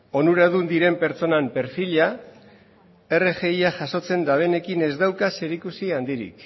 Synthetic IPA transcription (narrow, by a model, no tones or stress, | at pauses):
o̞nuɾaðund̪iɾe̞mpe̞ɾt͡so̞nampe̞ɾfilia | e̞re̞ʝe̞jaʝaso̞t͡se̞nd̪aβe̞ne̞kine̞zd̪awkase̞ɾikusiand̪iɾḭk